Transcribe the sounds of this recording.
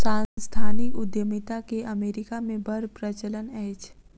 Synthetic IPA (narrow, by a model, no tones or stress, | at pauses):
sãːst̪ʰaːnɪkʊd̪jəmɪt̪akeʔɐmeːɾɪkamẽbʱɐɾpɾət͡ʃələnɛːt͡ʃʰ